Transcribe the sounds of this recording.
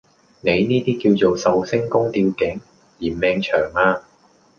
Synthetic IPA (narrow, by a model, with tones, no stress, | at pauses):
ne˨˧jniː˥t̪iː˥kiː˧wt͡so˨wsɐ˨wsɪ˥ŋkʊ˥ŋt̪iː˧wkɪ˨˥ŋ | liː˨˩nmɛː˨˧ŋt͡ʃʰœː˨˩ŋaː˧